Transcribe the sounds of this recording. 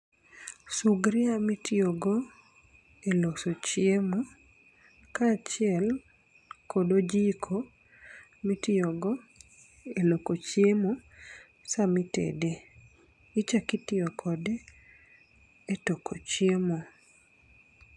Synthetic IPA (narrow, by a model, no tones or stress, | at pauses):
suɡɾɪamitɪoɡo | elosot͡ʃjemo | kat͡ʃɪɛl | kodod͡ʒikʰo | mitɪɔɡɔ | elokot͡ʃjemo | samitḛde | it͡ʃakɪtɪɔkʰɔde | etokʰot͡ʃjemo